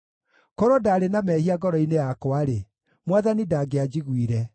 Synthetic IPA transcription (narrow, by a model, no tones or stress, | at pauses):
kɔɾɔdaːɾenamɛhiaɡɔɾɔinejakɔaɾe | mwaðanidaɡead͡ʒiɣwiɾɛ